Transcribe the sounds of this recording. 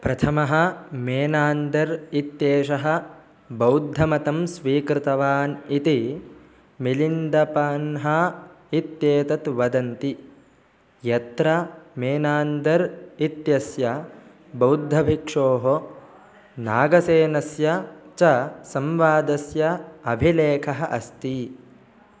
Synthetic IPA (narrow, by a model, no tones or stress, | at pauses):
pɾɐt̪ʰɐmɐɦɐ̆meːnaːnd̪ɐɾit̪jeːʂɐɦɐ̆ | bɐwd̪ʱːɐmɐt̪ɐmsʋiːkɾɪt̪ɐʋaːnit̪i | milind̪ɐpaːnɦɐ | it̪jeːt̪ɐt̪ʋɐd̪ɐnt̪i | jɐt̪ɾɐmeːnaːnd̪ɐɾit̪jɐsjɐ | bɐwd̪ʱːɐbʱikʂoːɦo | na̰ːɡɐseːnɐsjɐt͡ʃɐsɐmʋaːd̪ɐsjɐɐbʱileːkʰɐɦɐʔɐst̪i